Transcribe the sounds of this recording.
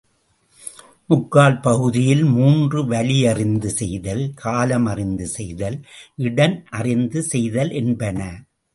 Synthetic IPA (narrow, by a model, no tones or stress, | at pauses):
mʊkːaːlpɐɣɯðɪjɪlmuːndrɯʋɐlɪjɐrɪnd̪ɯsɛjðɐlkʰaːlɐmɐrɪnd̪ɯsɛjðɐlʔɪɽɐnʔɐrɪnd̪ɯsɛjðɐlʔɛnbɐnɐ